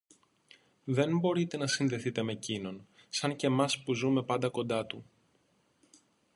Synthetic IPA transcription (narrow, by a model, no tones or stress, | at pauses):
ðe̞nbo̞ɾit̪e̞nɐsinðe̞θit̪e̞me̞cino̞n | sɐɲce̞mɐspuzume̞pɐnd̪ɐko̞nd̪ɐt̪u